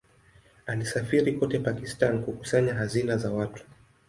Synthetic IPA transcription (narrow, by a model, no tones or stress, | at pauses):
alisafiɾikɔtɛpakistankuku̥saɲaɦazinazawatu̥